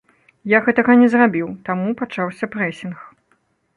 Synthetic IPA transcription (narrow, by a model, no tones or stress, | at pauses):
jaɣɛt̪ɐɣɐnʲɛzrabʲiwt̪amupat͡ʂawsʲɐpɾɛsʲinx